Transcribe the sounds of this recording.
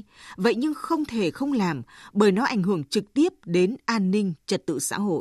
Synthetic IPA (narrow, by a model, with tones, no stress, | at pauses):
və̰˧˨jɲɨ˧ŋxə˧wŋ͡mt̪ʰe˧˩xə˧wŋ͡mlaː˨˩mɓəː˧˩jnɔ˨˦ʔa˧˩jŋ̟ɦɨ˧˩əŋt͡ɕɨ˨˩k̚t̪i˦˥əp̚ɗe˨˦nʔaː˧nːï˧ŋ̟t͡ɕə˨˩t̚t̪ɨ̰˧˨sa̰ː˧˥ɦo̰˧˨j